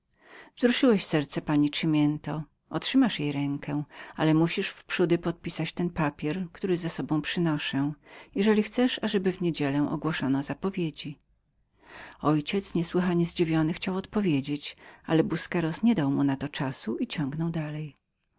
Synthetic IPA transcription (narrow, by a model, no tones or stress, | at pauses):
vzɾuʂɨwɛɕsɛɾt̪sɛpaɲiʂɘmʲjɛnt̪ɔ | ɔtʂɘmaʂjejɾɛŋkʰɛalɛmuɕiʂfpʂud̪ɘpɔt̪̚pʲisat͡ɕt̪ɛnpapʲjɛɾkt̪uɾɘzasɔbɔ̃w̃pʂɘnɔʂɛjɛʐɛlʲixt̪sɛʂaʐɛbɘvɲed͡ʑɛlɛ̃ʔɔ̰ɡwɔʂɔnɔzapɔvʲjed͡ʑi | ɔjt͡ɕɛt̪sɲɛswɘxaɲɛzd͡ʑivʲjɔnɘxt͡ɕawɔt̪pɔvʲjed͡ʑet͡ɕalɛbuskɛɾɔsɲɛd̪awmunat̪ɔt͡ʂasuit͡ɕɔ̃ŋɡnɔwd̪alɛj